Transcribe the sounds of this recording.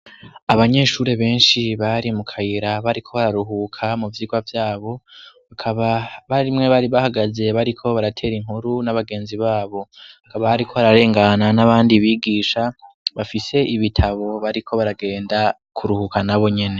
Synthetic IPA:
aβaɲe̞ʃuːɾe̞βe̞ːnʃiβaɾimukʰajiɾaβaɾikʰo̞βaɾaɾuɦuːkʰamuvjiːɡwavjaːβo̞βakʰaβaβaɾimŋe̞βaɾiβahaɡaze̞βaɾikʰo̞βaɾatʰe̞ːɾiŋhuɾunaβaɡe̞ːnziβaːβo̞βakaβaβaɾikʰo̞βaɾaɾe̞ːŋɡananaβaːndiβiɡiːʃa | βafise̞ʔiβitʰaβo̞βaɾikʰo̞βaɾaɡe̞ːnda | kʰuɾuhukanaβo̞ɲe̞ne̞

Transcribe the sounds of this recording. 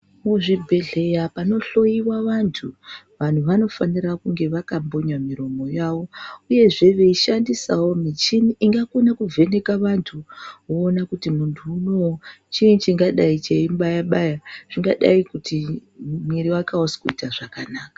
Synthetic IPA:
muʐibʱe̞ɮe̞japano̞ɬo̞jiwaʋantʰu | ʋan̤uʋano̞fanirakuŋɡe̞ʋakambo̞ɲamiɾo̞mo̞jaʋo̞uje̞ʐe̞ʋe̞iʃandisawo̞mit͡ʃiniʔːŋɡakonakuvʱe̞ne̞kaʋantʰuwoːnakutimuntʰuːno̞wt͡ʃiːnt͡ʃiŋɡaɗait͡ʃeimbajaɓajaʐ̥iŋɡaɗa̰ikutimiɾiwakaosi̥kuitaʐakanaːkḁ

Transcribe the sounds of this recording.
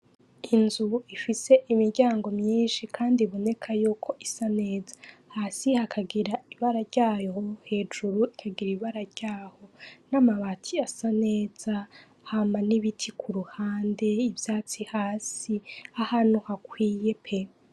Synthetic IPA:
inzuifise̞ʔimiɾɟaːŋɡo̞mɲiːnʃikʰaːndiβo̞ne̞kʰajuːkʰo̞ʔisane̞ːzḁhaːsihakʰaɡiɾaiβaɾaɾɟaːjohe̞ːd͡ʒuɾuikʰaɡiɾiβaɾaɾɟ̥aːho̞namaβatʰiasane̞ːz̥a | hamaniβitʰikʰuɾuhaːnde̞ivjaːt͡sihaːsiahanuhakwiːje̞pʰe

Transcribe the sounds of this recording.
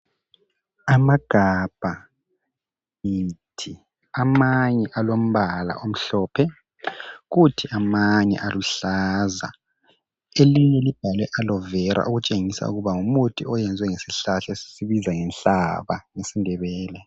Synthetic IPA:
amaɡ̥ʱab̥ʱa | itʰi | amaɲɛʔalom̩βala̰ʔom̩ɬɔːpʰɛ | ɣutʰiʔamaɲɛ̰ʔaluɬaza̰ | eliɲɛlib̥ʱalwɛʔalɔvɛɾʔa̰ʔuɣut͡ʃʼeŋisa̰ṵɣuβaŋumutʰiɔjɛnd͡zʱwɛŋesiɬaɬɛsi̥siβizaŋɛnɬaβa̰ŋesindʱɛβɛːlɛ

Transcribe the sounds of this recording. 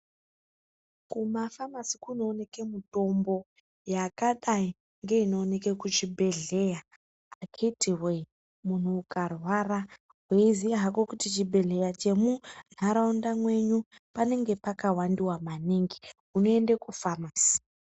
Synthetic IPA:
kumafamasikuno̞ːne̞kemuto̞mbo̞ | jakaɗai | ŋɡe̞ino̞ːne̞kekut͡ʃibʱe̞ɮe̞ja | akʰitiwe | mun̤uːkarwara | ɦweizijaɦakokutit͡ʃibʱe̞ɮe̞jat͡ʃe̞mun̤aɾaundamwe̞ɲu | pane̞ŋɡe̞pakawandiwamaniŋɡi | uno̞e̞ndekufamasi̥

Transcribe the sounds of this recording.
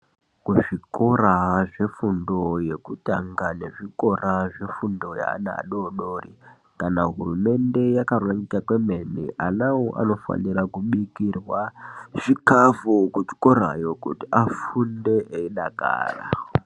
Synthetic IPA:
kuʐikoraʐe̞fundo̞je̞kutaŋɡane̞ʐiko̞raʐe̞fundo̞ja̰ːna̰ːɗoɗoːri | kanaɦurume̞nde̞jakarwaɲikakwe̞menḭʔanawoʔa̰no̞fa̰nirakuɓikirwaʐikavokut͡ʃi̥koɾa̰jo̞kṵtiʔafunde̞ʔeiɗaka̰ːra̰

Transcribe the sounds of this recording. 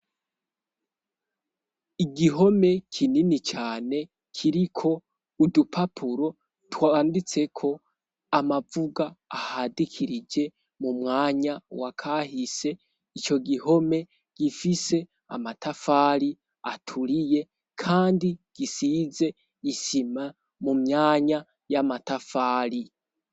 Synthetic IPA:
iɡiɦo̞me̞kʰininit͡ʃaːne̞ | kʰiɾikʰo̞ | udupʰapʰuɾo̞ | twandit͡se̞kʰo̞ | amavuɡaːhadikʰiɾid͡ʒe̞ | mumŋaːɲawakʰahise̞ | it͡ʃo̞ɡiho̞me̞ | ɡ̥ifise̞ | a̰matafaɾi | a̰tʰuɾije̞ | kʰaːndiɡ̥isize̞ | ɡisima | mumɲaːɲa | jamatafaːɾi

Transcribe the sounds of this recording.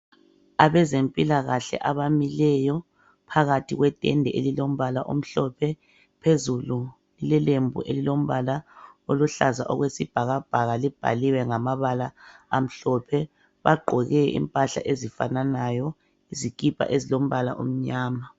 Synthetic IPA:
aβɛzempʼilaɣaɬɛ̰ʔaβamilɛjɔ | pʰaɣatʰiɣwɛtʼɛ̰ndʱɛʔelilom̩βalaʔom̩ɬɔpʰɛ | pʰezulu | ilɛlembʱṵʔelilom̩βalaoluɬazaʔɔ̰ɣwesib̥ʱaɣab̥ʱaɣalib̥ʱa̰liwɛŋamaβalaːm̩ɬɔpʰɛ | βaɡ͡ǃʱɔɣɛḭmpʼaɬa̰ʔezifa̰nanajɔ | izik̬ʼipʰʼa̰ʔezilom̩βala̰ʔṵm̩ɲaːma

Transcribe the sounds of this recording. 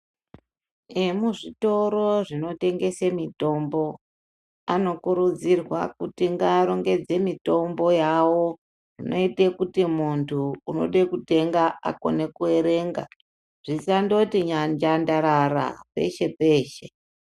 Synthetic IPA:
emuʐito̞ɾo̞ʐino̞te̞ŋɡe̞semito̞mbo̞ | ano̞kuɾud͡zirwakutiŋɡaːɾo̞ŋɡe̞d͡ze̞mito̞mbo̞jawo̞ | ʐinʔo̞itekutimuntʰuːno̞̰ɗekute̞ŋɡaa̰ko̞̰ne̞kue̞ɾe̞ːŋɡa̰ | ʐ̥isando̞tiɲaɲd͡ʒandaɾaɾa̰pe̞̰ʃe̞pe̞ːʃe̞

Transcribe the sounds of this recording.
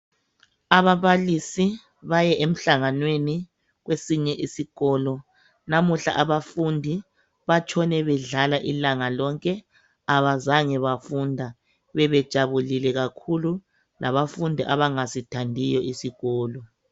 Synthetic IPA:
aβaβalisi | βajɛʔem̩ɬaŋanweni | ɣwesiɲɛʔisiɣɔːlɔ | namuɬa̰ʔaβafundʱi | βat͡ʃʰʼɔnɛβɛɮalaʔilaŋalɔŋkʼɛ | aβazaŋɛβafundʱa | βɛβɛd̥ʒ̥ʱaβulilɛɣakʰulu | lʔaβafundʱiʔaβaŋasitʰandʱijɔisiɣɔːlɔ

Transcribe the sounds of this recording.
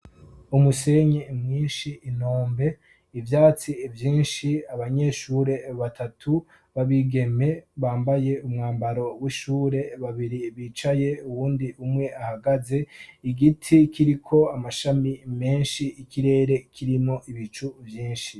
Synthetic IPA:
umuse̞ɲemŋiːnʃiːnoːmbe̞ | ivjaːt͡sivjiːnʃiaβaɲe̞ʃuːɾe̞βatʰatʰu | βaβiɡe̞me̞βaːmbaje̞ʔumŋaːmbaɾo̞wiʃuːɾe̞βaβiɾiβiːt͡ʃaje̞uβuːndiʔumŋe̞ahaɡaze̞iɡitʰikʰiɾikʰo̞amaʃamime̞ːnʃiːkʰiɾe̞ːɾe̞kʰiɾimo̞ʔiβit͡ʃuvjiːnʃi

